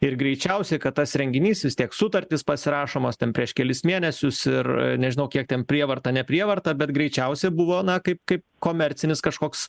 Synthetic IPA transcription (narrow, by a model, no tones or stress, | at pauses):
ɪrɡɾʲɛɪt͡ʃʲɛʊsʲɛkɐt̪̚t̪ɐsɾʲɛŋʲɡʲɪnʲiːsʋʲɪst̪ʲiɛksʊt̪ɐrʲt̪ʲɪspɐsʲɪɾɑːʃoːmoːst̪ʲɛnpʲɾʲiɛʃkʲɛlʲɪsmʲiːnʲɛsʲʊsɪrnʲɛʒʲɪnɐʊkʲiɛk̚t̪ʲɛnpʲɾʲiɛʋɐrt̪ɐnʲɛpʲɾʲiɛʋɐrt̪ɐbʲɛt̪ɡɾʲɛɪt͡ʃʲɛʊsʲɛbʊʋoːnɐkɐɪp̚kɐɪp̚koːmʲɛɾʲtt͡s̪ʲɪnʲɪskɐʃkoːks